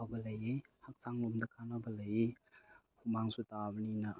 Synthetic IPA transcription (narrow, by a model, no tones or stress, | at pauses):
abɐlɐjehak̚saŋlomdɐkʰanabɐlaje | humaŋsutabnina